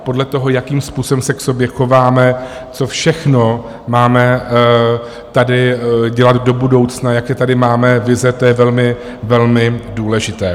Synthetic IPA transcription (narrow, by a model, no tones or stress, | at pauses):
po̞dlɛt̪o̞ɦo̞jakiːmspuːso̞bɛmsɛkso̞bjɛxovaːmɛ | t͡so̞fʃɛxno̞ | maːmɛ | t̪adɪɟɛlad̪do̞budo̞wt͡snajakjɛt̪adɪmaːmɛvɪzɛt̪ojɛvɛlmɪ | vɛlmɪduːlɛʒɪt̪ɛː